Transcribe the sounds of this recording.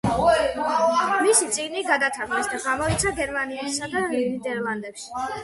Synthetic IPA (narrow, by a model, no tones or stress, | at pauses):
misit̪sʼiɡniɡad̪at̪ʰaɾlɛsd̪aɡamɔit̪sʰaɡɛɾmaniɛsad̪aɡiɾnid̪ɛɾlˠand̪ɛpʃi̥